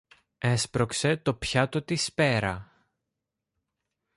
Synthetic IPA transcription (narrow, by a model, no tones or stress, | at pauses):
e̞spɾo̞kse̞t̪o̞pçɐt̪ot̪ispe̞ɾɐ̰